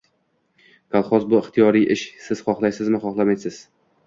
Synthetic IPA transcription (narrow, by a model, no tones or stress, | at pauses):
kʰalˠχɒzbʊɪχt̪ʰijɒɾijʔɪʃsɪz̥χɒχlˠajsɪzmɪχɒχlˠamajsɪz̥